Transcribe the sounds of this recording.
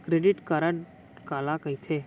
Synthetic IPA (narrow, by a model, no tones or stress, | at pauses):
kɾeːɖɪʈkɐɾəɳ | kaːlakɐɦit̪ʰeː